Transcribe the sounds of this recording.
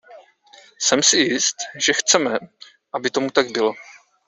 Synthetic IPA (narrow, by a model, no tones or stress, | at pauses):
sɛmsɪjɪst̪ʒɛxt͡sɛmɛ | ʔabɪt̪o̞mut̪aɡ̚bɪlo̞